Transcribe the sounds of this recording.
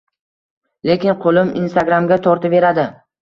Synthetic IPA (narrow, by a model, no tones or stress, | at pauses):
lekʲɪnqʰolɪminst̪aɡɾamɡʲat̪ʰɒɾt̪ʰave̞ɾad̪ɪ